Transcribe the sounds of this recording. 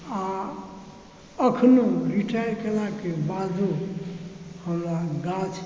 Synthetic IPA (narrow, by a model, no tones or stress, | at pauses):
a | əkʰnoɾiʈʰajkelakebad͡ʒʱu | həmɾaɡat͡ʃʰ